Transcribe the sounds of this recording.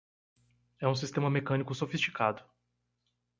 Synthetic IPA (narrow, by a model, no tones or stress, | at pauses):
ɛũs̬ist̪ẽmɐmekɐ̃nikʊsofist͡ʃi̥kad̪ʊ